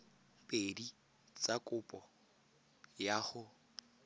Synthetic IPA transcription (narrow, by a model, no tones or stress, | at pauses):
pʼedi | t͡sʼakʼʊpʼɔ | jaχʊ